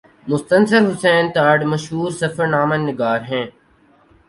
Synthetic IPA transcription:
mʊst̪ənsəlɦʊsɛːnt̪aːɖmɐʃɦuːɾsɐfəɾnaːmənːɪɡaːɾɦɛ̃ː

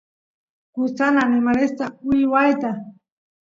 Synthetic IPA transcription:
kʊt͡sananɪmaɾest̪aʊjwajt̪a

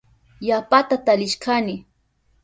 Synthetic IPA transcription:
japat̪at̪alɪʃkanɪ

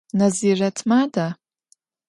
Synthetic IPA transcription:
naziratʰmada

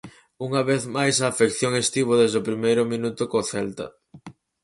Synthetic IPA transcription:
uŋɐβeθmajsɐːfekθjoŋest̪iβoðezðʊpɾimejɾʊmĩnut̪ʊkoθɛlt̪ɐ̰

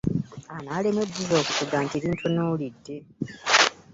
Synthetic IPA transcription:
anaːlemwedizo̞ːkufuɡaːntieβiːntʰonoːlidːe̞

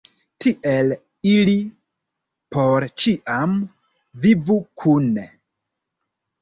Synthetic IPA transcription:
tʰiʔel | ili | poɾt͡ʃiʔam | vivukʰun

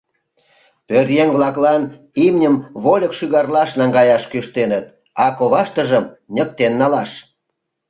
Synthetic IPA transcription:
pørjeŋβlɑklɑn | imnʲəmβolʲəkʃyɣɑrlɑʃnɑŋɡɑjɑʃkyʃt̪enət̪̚ | ɑkoβɑʃt̪əʒəmnʲək̚t̪enːɑlɑʃ

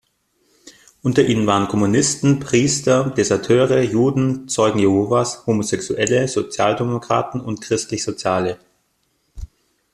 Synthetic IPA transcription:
ʔʊntɐʔiːnənvaːʁənkʰɔmunɪstn̩pʁ̥iːstɐd̥ezɐtʰøːʁəjuːdn̩t͡sɔʏɡŋ̩jehoːvashoːmozɛksuʔɛləzot͡sjaːldemokʁ̥a̰ːtn̩ʊntkʁ̥ɪstlɪçəz̥ot͡sjaːlə

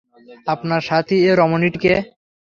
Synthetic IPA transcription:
apnaɾʃat̪ʰieɾɔmoniʈke

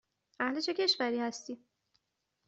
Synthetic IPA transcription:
ʔæhlet͡ʃʰe̞cʰe̞ʃvæɾiːhæst̪iː

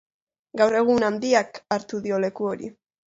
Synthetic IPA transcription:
ɡawre̞ɣ̞unand̪iakaɾt̪uðio̞le̞kuo̞ɾḭ

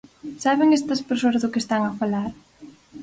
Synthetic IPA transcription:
saβeŋest̪ɐspeɾsoɐzðʊkest̪aŋɐfalaɾ

